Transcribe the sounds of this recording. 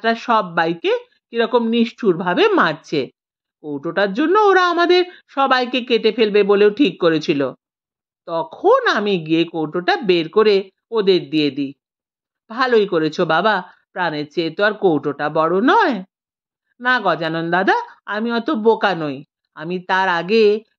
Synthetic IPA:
ʈaʃɔbːajke | kiɾɔkomniʃʈʰuɾbʱabemaɾt͡ɕʰe | kowʈoʈaɾd͡ʑonːooɾaamad̪eɾʃɔbajkekeʈefelbeboleoʈʰikːoɾet͡ɕʰilo̰ | t̪ɔkʰonamiɡiekowʈoʈabeɾkoɾe | od̪eɾd̪ijed̪i | b̥ʱalojkoɾet͡ɕʰobaba | pɾaneɾt͡ɕet̪oaɾkowʈoʈabɔɽonɔe | naɡɔd͡ʑanond̪ad̪aamiɔt̪obokanoj | a̰mit̪aɾaɡe

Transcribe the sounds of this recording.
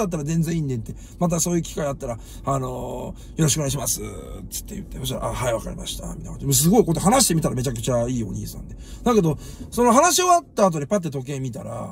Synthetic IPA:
at̪̬ːaɾazẽ̞nd͡zzẽ̞ĩnd̪et̪ːe̞ | mat̪̬aso̞ːjɯ̟kʲi̥kaid̪at̪ːaɾa | ano̞ | jo̞ɾoɕikoneiɕ̬imasɨt͡sɨ̥t̪ːe̞jɯ̟̰t̪ːe̞soɕɾa̰ʔahaeβaka̰ɾʲḭma̰ɕi̥t̪ʰa̰mʲit̪akã̰ɲmos̬ɨɡo̞ikot̪ːanaɕ̬i̥t̪e̞mʲit̪aɾame̞t͡ɕakɯ̟t͡ɕaiːo̞̰ɲ̟ḭːsã̰nd̪ed̪ake̞d̪o̞ | so̞no̞ɦanaɕio̞βat̪ːaːt̪o̞ɲʲipat̪̬ːe̞t̪o̞k̬e̞mʲit̪a̰ɾa̰

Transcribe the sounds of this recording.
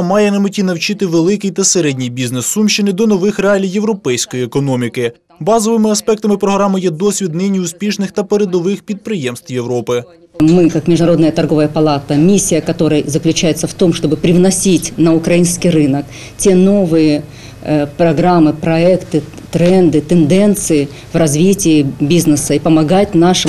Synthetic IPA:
mɑjɛnɐmʊtʲinɐwt͡ʃɪt̪ɪʋelˠɪkɪjt̪ɐseɾɛdʲnʲijbʲiznesːumʃɪnɪd̪ɔnɔʋɪxreɑlʲiwjeʋɾɔpɛjsʲkɔjiekɔnɔmʲikɪ | bɑzɔʋɪmɪɐspɛk̚t̪ɐmɪpɾɔɦɾɑmɪjɛd̪ɔsʲʋʲid̪nɪnʲiʊspʲiʃnɪxt̪ɐpeɾed̪ɔʋɪxpʲid̪̚pɾɪjɛmst̪wjeʋɾɔpɪ | mɨkakmʲɪʐd̪ʊnɐɾo̞d̪nəjət̪ɐrɡo̞vəjəpɐlˠat̪əmʲisʲːijɐkɐt̪o̞ɾəjzəklʲʉt͡ɕæjɪt̪səft̪o̞mʂt̪o̞bɨpɾʲɪvnɐsʲitʲnɐʊkɾɐjinskʲijrɨnək | tʲe̞no̞vɨjɪ | pɾɐɡɾamːɨpɾɐɛkt̪ɨ | t̪ɾɛnd̪ɨt̪ɛnd̪ɛnt̪sɨɪ | vrɐzvʲitʲɪːbʲiznɨsɐipɐmɐɡatʲnaʂɨ

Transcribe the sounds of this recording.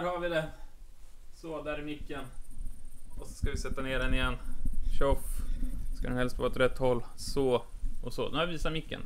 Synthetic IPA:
æːɾhaɾvɪd̪ɛ | soːd̪æːɾɪmɪkːən | ɔsɔskavɪsɛt̪ːaneːɖɛnɪjɛnːɕɔfskad̪ɛnhɛlst̪vɑːɛt̪ɾɛt̪ːhɔlːsoːɔsɔ̰ːd̪ɛaɾviːsamɪkːə̰n

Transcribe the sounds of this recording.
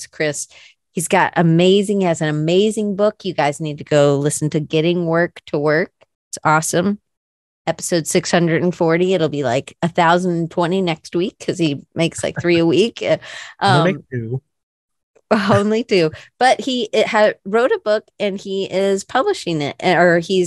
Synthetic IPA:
skʰɹ̥ɪs | hizɡɑɾʔɨmeɪzɪ̃ŋɨzɨ̃nɨmeɪzɪ̃ŋbʊkʰjɨɡaɪznid̚tʰɨɡ̥oʊlɪsn̩tʰɨɡɛɾɪ̃ŋwɜ˞ktʰəwɜ˞k̚ | ɪtsɔsə̃m | ɛpə̥soʊd̥sɪkshʌ̃ndɹɨdn̩fɔɹɾiɨɾl̩ˠbila̰ɪkɨθaʊz̃n̩n̩tʰw̥ɛ̃ɾ̃inɛkst̚wikʰːʌz̥imeɪksla̰ɪk̚θɹiəwikʔʌ̃ʉ | õʊ̃nlitʰʉb̥ʌt̚hiɪhɨɹoʊɾɨbʊkɨ̃niʔɪz̥pʰʌbləʃɪ̃ŋɪ̰t̚ɨə˞iz

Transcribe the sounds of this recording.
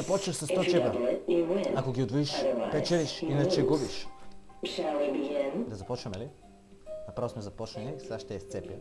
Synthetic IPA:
zɐpɔt͡ʃnɐfsasɔt͡ʃɛbɐ | akoɡʲiod̪voiʃpɛt͡ʃɛliʃinat͡ʃɛɡubiʃ | ʃalɛnd̪ɐzɐpɔt͡ʃnɐmɛli | napɾvosmɛzɐpɔt͡ʃnɛnisaʃt̪ɛɛst̪sɛpja̰

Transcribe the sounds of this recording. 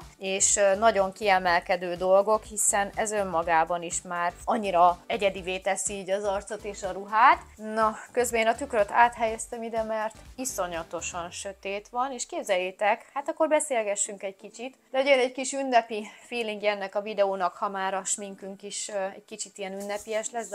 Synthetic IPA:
eːʃnɒɟo̞ŋkiɛmɛlkɛd̪øːd̪o̞lɡo̞khisɛnɛzø̞mːɒɡaːbɒniʃmaːrɒɲːiɾɒɛɟɛd̪iveːt̪ɛsiːɟɒzɒrt̪so̞t̪eːʃɒɾuɦaːt̪nɒkø̞zbɛeːnɒt̪ykrøt̪aːt̪ɦɛjɛst̪ɛmid̪ɛmɛrt̪iso̞ɲɒt̪o̞ʃɒnʃøt̪eːt̪ʋɒneːʃkeːbzɛjːet̪ɛkhaːt̪ɒkːo̞rbɛseːlɡɛʃːyŋkɛɟkit͡ʃit̪d̪ɛojenɛɟkiʃynːɛpifiːliŋɡɛɛnːɛkɒvid̪ɛoːnɒkhɒmaːɾɒʃmiŋkyŋkiʃɛɟkit͡ʃit̪ijɛnynːɛpiɛʃlɛz

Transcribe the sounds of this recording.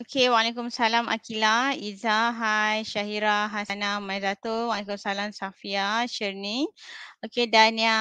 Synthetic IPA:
okewalekumsalama̰kilaizaɦajʃaɦiɾaɦasanamajzat̪owaʔlekumsalamsafiaʃəɾniokedania

